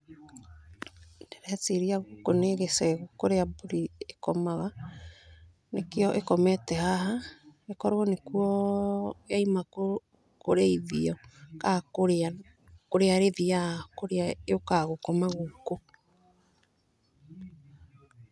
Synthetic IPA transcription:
ndeɾeateɾiaɣokoneɣesɛɣokoɾeabuɾiekɔmaɣa | nekeɔʔekɔmɛtɛhaɦaekɔɾwɔnekuɔ | jaimako | koɾeiðiɔkakoɾea | koɾeaɾeðiakoɾeaeokaɣokɔmaɣoko

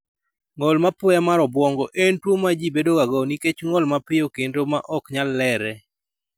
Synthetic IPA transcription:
ŋɔlmapɔjamaɾɔbwɔŋɡɔʔentwomːad͡ʒibedoɡaɡɔniket͡ʃŋɔlmapɪokendoma̰ʔɔkɲalːɛɾɛ

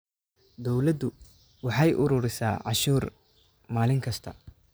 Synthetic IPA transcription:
d̪ɔwlɐd̪ʊ | wɑħɑjʔʊɾʊːɾɪsa̰ːʕɑ̰ʃuːr | maːlɪŋkʰɐst̪ʰɐ̰

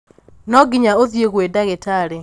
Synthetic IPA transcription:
nɔɡɪɲaoðjeɣwedaɣetaɾe

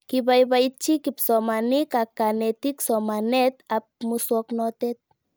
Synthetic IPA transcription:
kiβajβajt͡ʃikipsomanikakːanet̪iksɔmanet̪ap̚muswɔknɔt̪et̪̚

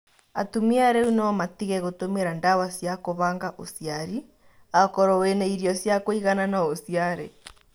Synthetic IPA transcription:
atumiaɾɛunɔmatiɣɛɣotomeɾandawasjakoβaːŋɡaʔosiaɾi | akɔɾɔwenɛiɾjɔsjakoiɣananaosjaɾɛ

